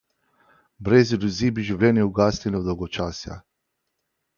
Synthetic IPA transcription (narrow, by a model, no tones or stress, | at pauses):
bɾezid̪uzibiʒivlʲenieuɡast̪ʲinʲod̪owɡot͡ʃasja̰